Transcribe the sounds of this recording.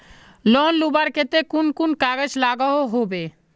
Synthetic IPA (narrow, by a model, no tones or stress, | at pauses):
lɔnlubaɾket̪ekunkunkaɡəd͡ʒlaɡɔɦoɦobe